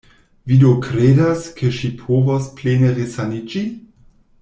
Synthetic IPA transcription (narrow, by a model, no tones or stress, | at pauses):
vidokɾedaskʰeʃipʰovospleneʁesanid͡ʒi